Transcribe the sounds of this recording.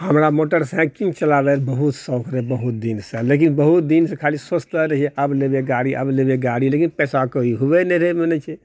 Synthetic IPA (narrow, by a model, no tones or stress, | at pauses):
həmɾamoʈəɾsɛ̃kiŋt͡ʃəlabeɾbəɦut̪səʊkʰɾɛbəɦut̪̚d̪insə̃lek̬inbəɦut̪̚d̪insẽkʰalisost̪əɾəɦiɛəblebeɡaɽiʔə̰blebeɡaɽilekinpɛsakəiɦuʋɛnɛɾemenɛt͡ʃʰɛ